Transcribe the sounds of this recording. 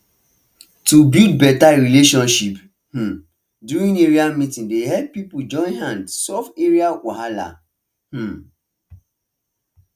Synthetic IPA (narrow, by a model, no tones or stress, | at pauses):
tubild̚bɛtaɹileʃɔ̃nʃip | h̩ | djuɹĩneɹiamitĩndehɛpipud͡ʒɔ̃nhãndsɔfeɹiawahala̰ | h̩